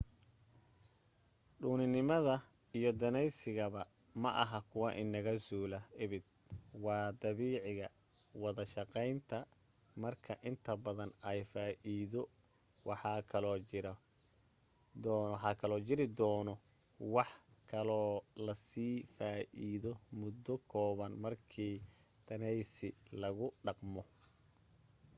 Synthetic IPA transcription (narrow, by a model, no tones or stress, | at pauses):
ɖuːnɪnɪmɐðɐ | ijɞd̪ɐnɛjsɪɣɐβɐ | mɐʔɐɦɐkʰʊwɑʔɪnːɐɣɐsuːlɐɪβɪd̪̚wɑːd̪ɐβiːʕɪɣɐ | wɑðɐʃɑqɛjnt̪ʰɐ | mɐrkʰɐʔɪnt̪ʰɐbɐðɐnɛjfaːʔiðɔ | wʔɑħɑkʰɐlɔːɾ | dwɑħɑkʰɐlɔːt͡ʃɪɾɪd̪ɔːnɔ | wɑħkʰɐlɔːlɐsiːfaːʔiːðɔmʊd̪ːɔkʰɔːβɐnmɐrkʰiːd̪̥ʰɐnɛjsɪlɐɣʊɖɑqmɔ